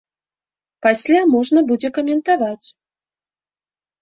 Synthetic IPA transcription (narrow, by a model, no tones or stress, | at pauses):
pasʲlʲamɔʐnɐbud͡zʲɛkɐmʲɛnt̪avat͡sʲ